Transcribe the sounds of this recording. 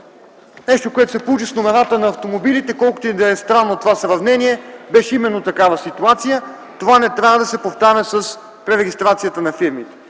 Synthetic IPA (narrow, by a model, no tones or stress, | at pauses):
nɛʃt̪okoɛt̪o̥sɛpolˠut͡ʃisnomɛnat̪ənɐːft̪omobilit̪ɛkɔlˠkʊ̥t̪oid̪aɛst̪ɾanːot̪ovasɾɐvnɛniɛbɛʃɛimɛnːot̪ɐkavəsit̪uat̪sijə | t̪ovanɛt̪ɾʲavəd̪ɐsɛpoft̪aɾʲəsəs | pɾɛɾɛɡist̪ɾat̪sijət̪ənɐfiɾmit̪ɛ̥